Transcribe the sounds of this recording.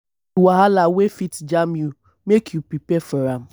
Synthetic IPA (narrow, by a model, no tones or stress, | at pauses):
waɦalawefitd͡ʒamju | mekʰjupɾipɛfɔɾam̩